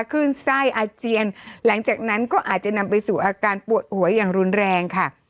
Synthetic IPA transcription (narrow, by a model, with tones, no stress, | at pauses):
kʰɯː˥˩nsa˥˩jʔaː˧t͡ɕi˧ənla˩˦ŋt͡ɕaː˨˩k̚na˦˥nkɔː˥˩ʔaː˨˩t̪̚t͡ɕa˨˩na˧mpa˧jsuː˨˩ʔaː˧kaː˧npu˨˩ət̪̚hu˩˦ɐjaː˨˩ŋɾu˧nɾɛː˧ŋkʰa˥˩